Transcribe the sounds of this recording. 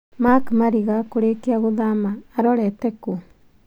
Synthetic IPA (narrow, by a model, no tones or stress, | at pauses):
makmaɾiɣakoɾekiaɣoðamaːɾɔɾɛteku